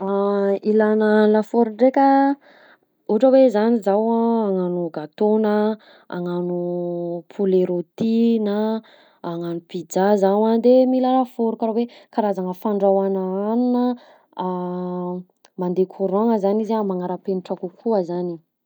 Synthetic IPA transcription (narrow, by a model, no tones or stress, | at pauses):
ailanəlafoɾuɳɖ͡ʐekʲə | uʈ͡ʂəwezanizawaaŋanuɡat̪onə | a̰ŋanupʰuleɾot̪inəː | ŋanupid͡zazawad̪emilalafoɾukaɾawekaɾazaŋəfaɳɖ͡ʐawanaanunə | mand̪ekʰuɾɔŋəzanizamaŋaɾəpeniʈ͡ʂakukʰuazani